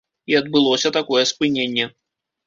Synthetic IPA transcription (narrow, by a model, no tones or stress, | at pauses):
iɐd̪̚bɨlˠɔsʲɐt̪akɔjɛspɨnʲenʲːɛ